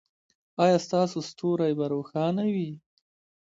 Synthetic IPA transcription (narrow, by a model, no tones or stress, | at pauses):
ɑjɑːst̪ɑsost̪ʰoɾajbaɾoxɑnawi